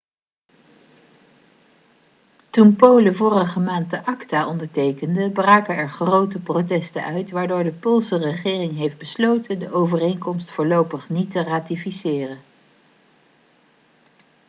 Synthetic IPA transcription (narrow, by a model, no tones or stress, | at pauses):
tunpowləvʊːrəχəmaːnt̚dəʔɑktaːʔɔndəɹtejkəndəbraːkəɛɹχrowtəprotɛstə̰nʔœɥtʋaːɹdʊːɹdəpʊlˠsərəχɪːrɪŋɦejfd̚bəslowtəndəʔowvərejnkɔmstfʊːɹlowpəχnitəraːtifisɪːrən